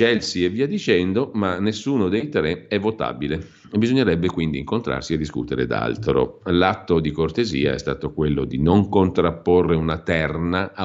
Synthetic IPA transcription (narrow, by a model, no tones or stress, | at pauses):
t͡ʃɛlsievːiːad̪ːit͡ʃɛnd̪omanːesːuːnod̪ejt̪ɾeɛvːot̪a̰ːbile | ebːizoɲːeɾɛbːekwind̪iːŋkont̪ɾa̰rsied̪ːiskṵt̪eɾḛd̪a̰lt̪ɾo̰lat̪ːod̪ikort̪ezḭːa̰ɛ̰st̪a̰ːt̪okwelːod̪inoŋkont̪ɾapːorːeunat̪ɛrna